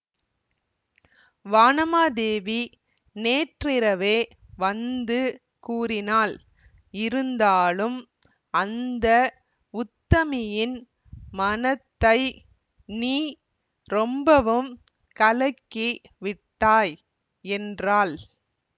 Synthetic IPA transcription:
ʋaːnɐmaːd̪eːʋi | neːʈrɪɾɐʋeː | ʋɐnd̪ɯ | kuːrɪnaːl | ɪɾɯnd̪aːlɯm | ɐnd̪ɐ | ʊt̪ːɐmɪjɪn | mɐnɐt̪ːɐɪ | niː | ɾɔmbɐʋɯm | kɐlɐkːi | ʋɪʈːaːj | ɛndraːl

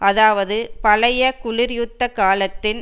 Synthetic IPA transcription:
ɐðaːʋɐðɯpɐlɐjɐkʊɭɪɾjʊt̪ːɐkaːlɐt̪ːɪn

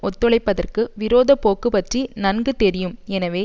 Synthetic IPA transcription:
ɔt̪ːɔɭɐɪpːɐðɐrkɯʋɪɾoːðɐpoːkːɯpɐʈrinɐnɡɯt̪ɛɾɪjɯmɛnɐʋeː

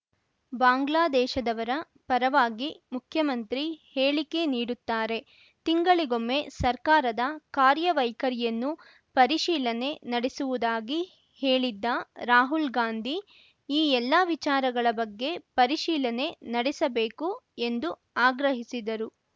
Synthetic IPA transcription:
baːŋɡlaːd̪ɛːʃɐd̪ɐʋɐɾɐ | pɐɾɐʋaːɡimukʰjɐmɐnt̪ɾiheːɭike̞niːɽut̪ːaːɾe̞ | t̪iŋɡɐɭiɡo̞mːe̞sɐɾkaːɾɐd̪ɐkaːɾjɐʋɐjkɐɾijɐnːu | pɐɾiʃiːlɐne̞nɐɽesuʋud̪aːɡi | heːɭid̪ːɐɾaːɦulɡaːnd̪ʱi | iːɛlːaʋit͡ʃaːɾɐɡɐɭɐbɐɡːe̞pɐɾiʃiːlɐne̞nɐɽesɐbeːkue̞nd̪u | aːɡɾɐɦisid̪ɐɾu

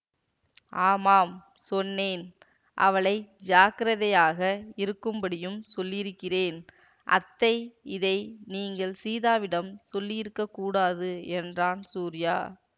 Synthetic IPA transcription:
ʔaːmaːm | sɔnːeːn | ʔɐ̰ʋɐɭɐɪd͡ʒaːkɐɾɐðɐjaːɣɐɪɾɯkːɯmbɐɽɪjɯmsɔlːɪɪɾɯkːɪreːn | ʔɐ̰t̪ːɐɪɪðɐɪniːŋɡɐɭsiːðaːʋɪɽɐmsɔlːɪɪɾɯkːɐkːuːɽaːðɯɛndraːnsuːɾɪja̰ː

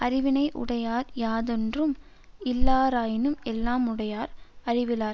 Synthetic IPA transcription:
ʔɐɾɪʋɪnɐɪʔʊ̰ɽɐjaːɾjaːðɔndrɯm | ɪlːaːɾaːjɪnɯmɛlːaːmʊɽɐjaːɾɐrɪʋɪlaːɾ

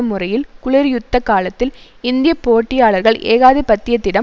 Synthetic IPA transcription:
ɐmːʊrɐjɪlkʊɭɪɾjʊt̪ːɐkːaːlɐt̪ːɪl | ɪnd̪ɪjɐpoːʈːɪjaːɭɐɾɣɐɭḛːɣaːðɪpɐt̪ːɪjɐt̪ːɪɽɐ

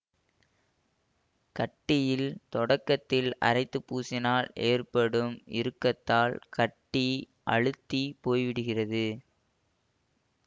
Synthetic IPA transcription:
kɐʈːɪjɪlt̪ɔɽɐkːɐt̪ːɪlɐ̰ɾɐɪt̪ːɯpːuːsɪnaːleːrpɐɽɯmɪ̰ɾɯkːɐt̪ːaːlkɐʈːi | ʔɐ̰ɻɯt̪ːipoːjʋɪɽɯɣɪrɐðɯ

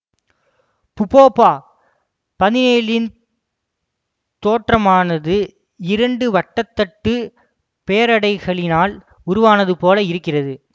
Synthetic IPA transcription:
pʊpoːpːaː | pɐðɪneːlɪn | t̪oːʈrɐmaːnɐðɯ | ɪɾɐɳɖɯʋɐʈːɐt̪ːɐʈːɯ | peːɐɾɐɽɐɪɣɐɭɪnaːl | ʊɾʊʋaːnɐðɯpoːlɐɪɾɯkːɪrɐðɯ

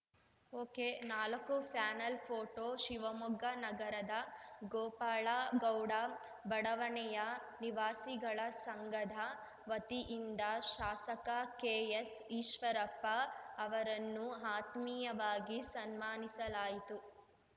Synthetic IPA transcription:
oːkeːnaːlɐkupʰjaːnɐlpʰoːʈoːʃiʋɐmuɡɐnɐɡɐɾɐd̪ɐɡoːpaːɭaɡɐwɽa | bɐɽɐʋɐɳɛjɐ | niʋaːsiɡɐɭɐsɐŋɡɐd̪ʱɐ | ʋɐt̪iʔind̪ɐʃaːsɐkɐkeːjes | iːʃʋɐɾɐpːɐːʋɐɾɐnːuaːt̪mijɐʋaːɡisɐnmaːnisɐlaːjit̪u

